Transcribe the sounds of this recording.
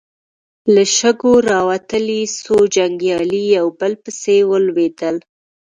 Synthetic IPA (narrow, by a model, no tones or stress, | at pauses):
ləʃəɡoɾɑwat̪əlisod͡ʒaŋɡjɑlijawbəlpəsewəlwed̪əl